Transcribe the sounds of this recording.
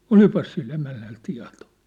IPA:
olipɑs silː emænːæl tiɑ̝to̥

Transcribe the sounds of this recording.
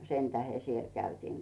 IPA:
sentæhe siel kæytiːŋ

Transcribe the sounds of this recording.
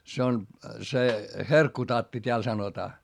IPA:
se on se herkːutɑtːi tʲeæl sɑnotɑː

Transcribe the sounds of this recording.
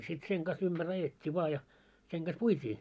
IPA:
sit seŋ ɡ̊ɑs ymb̥ær ɑjetʲːi ʋɑː jɑ seŋ ɡ̊ɑs puitʲiː

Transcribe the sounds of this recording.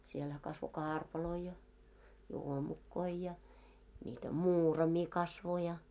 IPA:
sielhæ kɑsʋo kɑːrpɑloi jɑ juomukːoi jɑ nʲiːtæ muːrɑmi kɑsʋo jɑ

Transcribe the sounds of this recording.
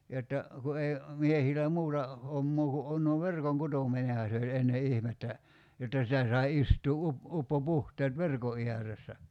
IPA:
jotːɑ ku ei miehilæ muːtɑ homːoː ku on no ʋerkoŋkutominehɑ se olʲ enːe ihmetːæ jotːɑ sitæ sɑi istuː up upːopuhteːt ʋerko iæresːæ

